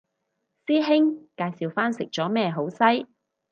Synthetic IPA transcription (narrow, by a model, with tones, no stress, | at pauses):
siː˥ɦɪ˥ŋkaː˧jsiː˨wfaː˥nsɪ˨k̚t͡ʃɔː˨˥mɛː˥ɦo˨˥wsɐ˥j